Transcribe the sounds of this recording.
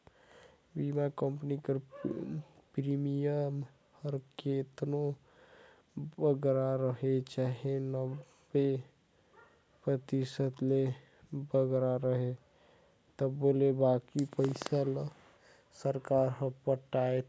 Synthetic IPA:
bimakəmpənikəɾ | pɾimijəm | həɾket̪no | bəɡɾaɾəɦet͡ʃaɦenəbe | pɾət̪isət̪le | bəɡɾaɾəɦe | t̪əbolebakipəɪsal | səɾkaɾɦə̃pəʈaet̪

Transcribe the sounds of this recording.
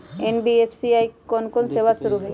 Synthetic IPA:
enbiepʰsiajkɔnkɔnsewasuɾuɦɔj

